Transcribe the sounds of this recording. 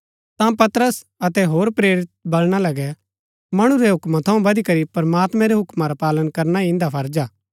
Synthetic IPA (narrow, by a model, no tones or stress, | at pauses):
t̪ãpɐt̪əɾəs | ɐt̪ɛɦoːɾpɾeːɾɪt̪̚bɐlɽ̃alɐɡɛ | mɐɽ̃ũɾɛɦʊkmãt̪ʰɐũbɐd̪ikɐɾipɐɾmaːt̪mɛ̃ɾɛɦʊkmaɾapaːlənkɐɾnaɪ̃nd̪apʰɐɾd͡ʒaː